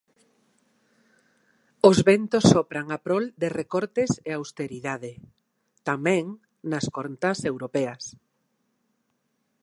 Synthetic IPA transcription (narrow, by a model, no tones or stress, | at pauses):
ozβɛnt̪osːɔpɾaŋapɾɔld̪erekɔɾt̪ɪseawst̪eɾiðaðɪ | t̪amɛ̃ŋ | naskoɾnt̪asewɾopɛɐs